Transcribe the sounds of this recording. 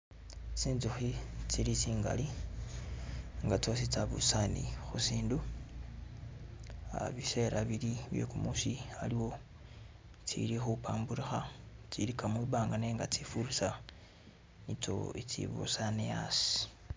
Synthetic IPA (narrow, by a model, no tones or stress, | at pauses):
t͡siːnzuxit͡siɾit͡siːŋɡa̰li | ŋɡat͡sosit͡saβṵsanḭxusiːndu | a̰βise̞ɾaβiliβje̞̰kumusialiwo̞ | t͡sḭɾixupaːmbuɾixat͡siɾikʰamwiβaːŋɡane̞ːŋɡat͡sifuɾusa | nit͡so̞̰it͡sḭβṵsanejasi̥